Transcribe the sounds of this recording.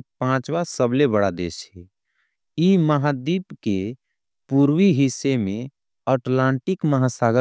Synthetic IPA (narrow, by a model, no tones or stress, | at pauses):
pãt͡ʃʋasəblebəɽad̪eːʃɦɛ | iməɦad̪iːpke | puɾwiɦɪsːemẽ | əʈlãːɳʈɪkməɦasaɡə